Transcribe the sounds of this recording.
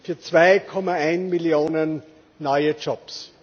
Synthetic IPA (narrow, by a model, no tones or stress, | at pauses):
fyːɐt͡sv̥aɪkʰɔmaaɪnmiljoːnənː | ɔʏəd͡ʒɔps